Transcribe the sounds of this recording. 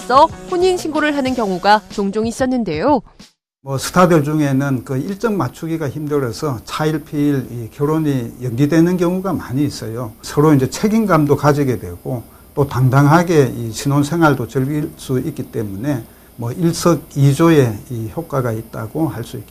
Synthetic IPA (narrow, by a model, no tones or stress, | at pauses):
s͈ʌɸoɲinɕʰinɡoɾɯɭɦanɯnkjʌŋuɡat͡ɕoŋd͡ʑoŋis͈ʌnːɯnde̞jo | mʌsʰɯ̥tʰadɯɭd͡ʑuŋe̞nɯnkɯiɭt͡ɕ͈ʌŋmat͡ɕʰuɡiɡaçimdɯɾʌsʰʌt͡ɕʰaiɭpʰiːɭikjʌɾoɲijʌŋɡidwe̞nɯnk̬jʌŋuɡamaɲiːs͈ʌjosʰʌɾoind͡ʑe̞t͡ɕʰe̞ɡinɡamdokad͡ʑiɡe̞dwe̞̰ɡ̥o | t͈otaŋdaŋɦaɡe̞iɕʰinonsʰe̞ŋɦwaɭdot͡ɕɯɭɡis͈uik͈it͈e̞mune̞ | mʌiɭs͈ʌɡ̚id͡ʑoje̞içjok͈aɡait̚t͈aɡohaɭs͈uiki